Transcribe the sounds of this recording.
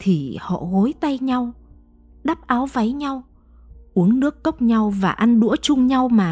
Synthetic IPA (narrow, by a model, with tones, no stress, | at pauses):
t̪ʰi˨˩hɔ̰˧˨ɣo˨˦jt̪a˧jɲa˧w | ɗa˦˥p̚ʔaː˨˦wva˨˦jɲa˧w | ʔu˨˦əŋnɨ˦˥əkːə˦˥k͡p̚ɲa˧wvaː˨˩ʔa˧nɗṵ˧˥ət͡ɕʊ˧ŋ͡mɲa˧wmaː˨˩